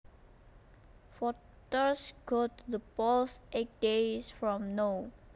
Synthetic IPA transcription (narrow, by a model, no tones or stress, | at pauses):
fɔ | təsɡ̥otðəpɔsʔet̚d̥esfɹɔ̃mno